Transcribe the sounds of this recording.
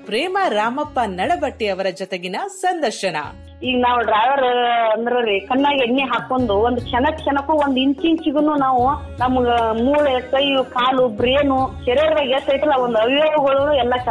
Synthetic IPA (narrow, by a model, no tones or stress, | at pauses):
pɾeːmɐɾaːmɐpːɐnɐɽɐbɐʈːiɐʋɐɾɐd͡ʒɔt̪eɡinɐsɐnd̪ɐɾʃɐnɐ̰ | iːɡɐnaːʋuɖɾaːʋɐɾɐnd̪ɐɾɐɾikɐɳːaːɡenːeɦaːkond̪uond̪ukʂɐnɐkʃɐnɐkːuond̪uiɲt͡ʃiɲt͡ʃiɡɐnuːnaːʋu | nɐmːɐɡɐmuːɭkɐjukaːlubɾijɐnut͡ʃɛɾeɾɐʋaɡesɐjʈɐlːɐond̪uɐbijoːɡɐɡɐɭunuɛlːɐt͡ʃɐ